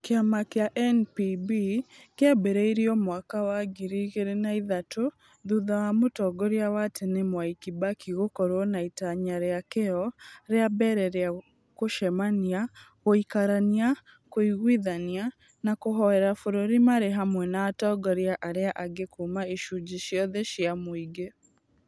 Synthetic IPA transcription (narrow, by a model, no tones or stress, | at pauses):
keamakeaʔɛnpibikeɛbeɾeiɾiɔmwakawaɡiɾiɣeɾenaiðato | ðuðawamotɔɡɔɾiawatʰenemwaikibakʰiɣokɔɾwɔnaitaɲaɾeakeɔɾeabɛɾɛɾea | koʃɛmania | ɣoikaɾania | koiɣwiðania | nakoɦɔɛɾafoɾoɾimaɾeɦamwɛnaːtɔɡɔɾiaʔaɾeaʔaɡekumaiʃud͡ʒiʃjɔðɛʃiamoiɡe